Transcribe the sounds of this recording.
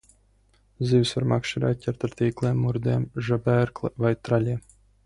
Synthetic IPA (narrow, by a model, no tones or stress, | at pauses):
zivʲsʋaɾmakʃiɾʲat̪̚ʲcʲɛɾt̪aɾt̪ʲiːklˠeːmːuɾd̪eːmʒabæɾklˠɨvajt̪ɾalʲeː